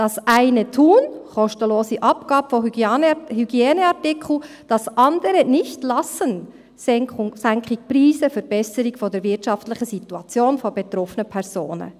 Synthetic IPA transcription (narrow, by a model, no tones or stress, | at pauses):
d̥ɑsʔæɪnətʰuːnχɔʃtəloːsiʔɑpɡ̥ɑːbəfɔ | hyɡjɛːnəɑtɪkʰl̩ | d̥ɑsʔɑndəɾənɪçtlɑsən | ssæŋkχik̚pɾiːsəfəɾb̥ɛsəɾiɡfɔdəɾvɪtʃɑftlɪχəsituɑt͡sjoːnfɔbet̪ɾɔfənəpʰɛɾso̰ːnə̰